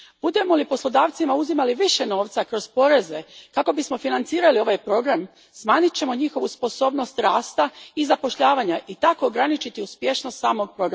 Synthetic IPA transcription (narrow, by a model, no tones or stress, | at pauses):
b̥ud̪e̞mo̞lipo̞slˠo̞d̪aːʋt̪simauzimaliʋiʃe̞no̞ːʋt̪sakɾo̞zpo̞ɾe̞ze̞kako̞bismo̞finant̪siːɾalio̞ʋajpɾo̞ɡɾam | smaːɲit͡ɕe̞mo̞ɲixo̞ʋuspo̞so̞ːbno̞st̪ɾaːst̪aizapo̞ʃʎaːʋaɲaʔit̪ako̞ːɡɾanit͡ɕit̪iuspje̞ʃno̞st̪saːmo̞ɡ̚pɾo̞ɡɾa